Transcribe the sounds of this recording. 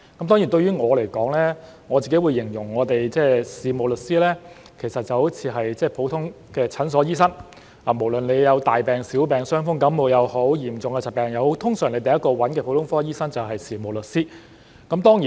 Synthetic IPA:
kɐ˨˥mt̪ɔ˥ŋi˨˩t̪ɵ˧ɥjyː˥ŋɔː˨˧le˨˩jkɔː˨˥ŋlɛː˥ | ŋɔː˨˧t͡siː˨˩ke˨˥jwuː˨˧jːɪ˨˩ŋjʊ˨˩ŋŋɔː˨˧t̪e˨jt͡sɛː˥˩siː˨mo˨wlɵ˨t̚siː˥lɛː˥ | kʰe˨˩sɐ˨t̚t͡sɐ˨who˨˥wt͡sʰiː˨˧ɦɐ˨jt͡sɛː˥˩pʰo˨˥wt̪ʰʊ˥ŋ | kɛː˧t͡sʰɐ˨˥ns̬ɔː˨˥jiː˥sɐ˥ŋ | aː˨˩mo˨˩wlɵ˨nle˨˧jjɐ˨˧wt̪aː˨jpɛː˨ŋsiː˨˥wpɛː˨ŋsœː˥ŋfʊ˥ŋkɐ˨˥mːo˨˧wjɐ˨˧who˨˥wjiː˨˩mt͡sʊ˨ŋkɛː˧t͡sɐ˨˩pɛː˨˩ŋjɐ˨˧who˨˥t̪ʰʊ˥ŋsœː˨˩ŋle˨˧jt̪ɐ˨jɐ˥t̚kːɔː˧wɐ˨˥nkɛ˧pʰo˨˧wt̪ʰʊ˥ŋfɔː˥jiː˥sɐ˥ŋt͡sɐ˨wɦɐ˨jsiː˨˩mo˨wlɵ˨t̚siː˥ | kɐ˨˥mt̪ɔː˥ŋjiː˨

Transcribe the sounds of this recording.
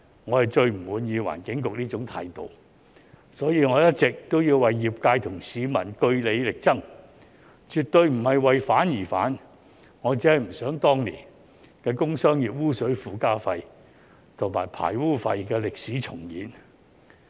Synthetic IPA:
ŋɔː˨˧hɐ˨jt͡ʃɵ˧ɥm̩˨˩wuː˨˧˥njiː˨˧wa̰ː˨˩nkɪ˨˥ŋkʊ˨k̚liː˥t͡ʃʊ˨˥ŋt̪ʰa̰ː˧jt̪o̰˨w | sɔː˨˥jiː˨˧ŋɔː˨˧jɐ˥t̚t͡sɪ˨k̚t̪o˥wjiː˧wwɐ˨jːiː˨p̚kaː˧jt̪ʰʊ˨˩ŋsiː˨˧mɐ˨˩nkɵ˧ɥle˨˧jlɪ˨k̚t͡sɐ˥ŋ | t͡ʃyː˨t̪ɵ˧ɥm̩˨˩hɐ˨jwɐ˨jfaː˨˥njiː˨˩fa̰ː˨˥n | ŋɔː˨˧t͡siː˨˥hɐ˨jm̩˨˩sœː˨˥ŋt̪ɔː˥ŋlḭː˨˩n | kɛː˧kʊ˥ŋsœː˥ŋjiː˨p̚wuː˥sɵ˨˥ɥfuː˨˧kaː˥fɐ˧j | t̪ʰʊ˨˩ŋma̰ː˨˩jpʰa̰ː˨˩jwuː˥fɐ˧jkɛː˧lɪ˨k̚siː˨˥t͡sʰʊ˨˩ŋjiː˨˥n

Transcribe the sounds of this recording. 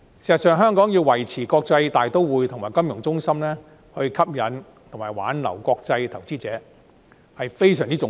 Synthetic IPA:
siː˨˩sɐ˨˩tsœː˨ŋɦœː˥ŋkɔː˨˥ŋji˧wwɐ˨˩jt͡sʰiː˨˩kɔː˧k̚t͡sɐ˧jt̪aː˨jt̪o˥wwuː˨˧jt̪ʰʊ˨˩ŋmaː˨˩jkɐ˥mjʊ˨˩ŋt͡sʊ˥ŋsɐ˥mlɛː˥ | hɵ˧ɥkʰɐ˥p̚jɐ˨˥n | t̪ʰʊ˨˩ŋmaː˨˩jwa̰ː˨˥nlɐ̰˨˩wkɔː˧k̚t͡sɐ˧jt̪ʰɐ˨˩wt͡siː˥t͡sɛː˨˥ | hɐ˨jfe˥jsœː˨ŋt͡siː˥t͡sʊ˨˥

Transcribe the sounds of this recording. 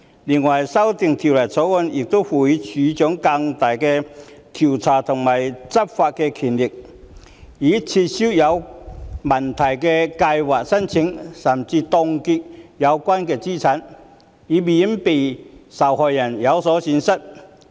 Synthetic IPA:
li˨˩nwɐ˨˩jsɐ˥wt̪ɪ˨ŋt̪ʰi˨˩wlɐ˨˩jsɔː˨˥kɔ˧njɪ˨k̚t̪o˥wfuː˨˩ji˥t͡sʰyː˨˧˥t͡ʃœː˨˥ŋkɐ˧ŋt̪aː˨jkɛː˧t̪ʰi˨˩wt͡sʰaː˨˩t̪ʰʊ˨˩ŋmaː˨˩jt͡sɐ˥p̚faː˧t̚kɛː˧kʰi˨˩nlɪ˨˩k̚ | jiː˨˥t͡sʰiː˧t̚siː˥wjɐ˨˧wmɐ˨˩nt̪ʰɐ˨˩jkɛː˧kɐ˧jwaː˨k̚sɐ˥nt͡sʰɪ˨˧˥ŋsɐ˨˩mt͡siː˧t̪ɔ˧ŋki˧t̚jɐ˨˧wkʷaː˥nkɛː˧t͡siː˥t͡sʰɐ˨˥n | iː˨˧mi˨˩˥ŋpe˨jsɐ˨˩whɔː˨jjɐ˨˩njɐ˨˧wsɔː˨˥siː˨˥nsɐ˥t̚

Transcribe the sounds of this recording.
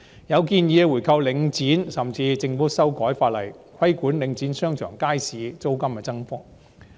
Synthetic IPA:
jɐ˨˧wkiː˧njiː˨˧wu˨˩jkʰɐ˧wlɪ˨˧ŋt͡siː˨˥nsɐ˨mt͡siː˧t͡sɪ˨˧ŋpʊ˥sɐ˥wkɔː˨˥jfaː˧t̚lɐ̰˨˩j | kʰɐ˥jkuː˨˥nlɪ˨˥ŋt͡siː˨˥nsœː˥ŋt͡ʃʰœ̰ː˨˩ŋkaː˥jsiː˨˧t͡so˥wkɐ˥mkɛ˧t͡sɐ˥ŋfʊ˥k̚

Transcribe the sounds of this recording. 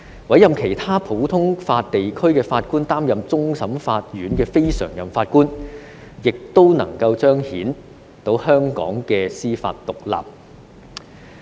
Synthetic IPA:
wɐ˨˥jɐ˨mkʰe˨˩jt̪ʰaː˥pʰo˨˥wt̪ʰʊ˥ŋfaː˧t̚t̪e˨jkʰɵ˥ɥkɛː˧faː˧t̚kuː˥nt̪aː˥mjɐ˨mt͡sʊ˥ŋsɐ˨˥mfaː˧t̚jyː˨˥nkɛː˧fe˥jsœ̰ː˨˩ŋjɐ˨mfaː˧t̚kuː˥n | jɪ˨k̚t̪o˥wnɐ̰˨˩ŋkɐ˧wt͡ʃœː˥ŋhiː˨˥n | t̪o˧whœː˥ŋkɔ̰ː˨˥ŋkɛː˧siː˥fa̰ː˧t̚t̪ʊ˨k̚la̰ː˨p̚

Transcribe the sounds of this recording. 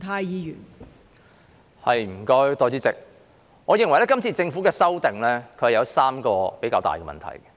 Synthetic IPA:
t̪ʰaː˧jjiː˨˧jy̰ː˨˩n | hɐ˨jm̩˨˩kɔː˥jt̪ɔː˧jt͡siː˥t͡sɪ̰˨k̚ | ŋɔː˨˧jɪ˨˧ŋwɐ˨˩jlɛː˥kɐ˥mt͡sʰiː˧t͡sɪ˧ŋfu˨˥kɛː˧sɐ˥wt̪ɪ˨ŋlɛː˥kʰɵ˧hɐ˨˩jɐ˨˧wsaː˥mkɔː˧pe˨˥jkaː˧wt̪a̰ː˨jkɛː˧mɐ̰˨nt̪ʰɐ̰˨˩jkɛ̥˧

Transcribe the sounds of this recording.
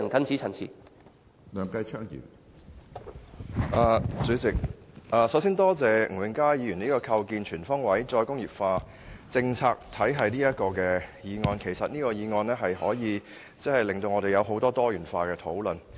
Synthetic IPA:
nkʰɐ˥nt͡sʰiː˨˥t͡sʰɐ˨˩nt͡sʰiː˨˩ | lœː˨˧ŋkɐ˧jt͡ʃʰœː˥ŋjḭː˨˩n | ʔaː˨˧t͡syː˨˥t͡sɪ˨k̚ʔaː˨sɐ˨˥wsiː˥nt̪ɔː˥t͡sɛː˨˧ŋ̩˨˩wɪ˨˧ŋkaː˥jjiː˨˧jy˨˩niː˥kɔː˧kʰɐ˧wkiː˧nt͡ʃʰyː˨˩nfɔː˥ŋwɐ˨˥jt͡sɔː˧jkʊ˥ŋjiː˨p̚faː˧ | t͡sɪ˧ŋt͡sʰaː˧k̚t̪ʰɐ˨˥jɦɐ˨jniː˥jɐ˥t̚kɔː˧kɛː˧jiː˨˧ŋɔː˧nkʰe˨˩jsɐ˨t̚niː˥kɔː˧jiː˨˧ŋɔː˧nɛː˥ɦɐ˨jhɔː˨˥jiː˨˧ | t͡sɛ˥hɐ˨jlɪ˨ŋt̪o˧wŋɔː˨˧ɾe˨jɐ˨˧wɦo˨˥wt̪ɔː˥t̪ɔː˥jyː˨˩nfaː˧kɛː˧t̪ʰo˨˥wlɵ˨˩n

